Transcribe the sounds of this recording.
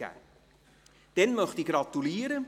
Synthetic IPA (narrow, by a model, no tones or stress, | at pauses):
ɛ̰ | d̥ɛnmɔχdiɡrɑtyliːəɾə